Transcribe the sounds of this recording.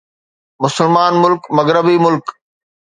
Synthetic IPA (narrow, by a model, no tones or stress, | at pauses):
mʊsəlmaːnmʊlkmɐɣɾəbimʊlk